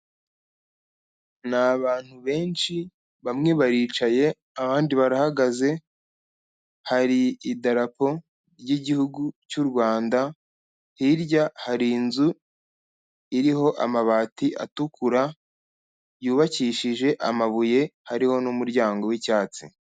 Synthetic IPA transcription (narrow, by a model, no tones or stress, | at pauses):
naβaːn̥huβe̞ːnʃi | βamŋe̞βaɾiːt͡ʃaje̞ | aβaːndiβaɾahaɡaze̞ | haɾiːdaɾapo̞ | ɾɟiɟihuɡucuɾɡwaːnda | hiɾɟahaɾinzu | iɾiɦo̞ʔa̰maβaːtiʔa̰tukuɾa | juːβaciːʃiʒe̞ʔamaβuje̞haɾiho̞numuɾɟaːŋɡo̞wicaːt͡sḭ